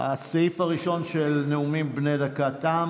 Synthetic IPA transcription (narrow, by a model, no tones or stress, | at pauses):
ha̰seifaʁiʃo̞nʃelneumimbnejdakat̪am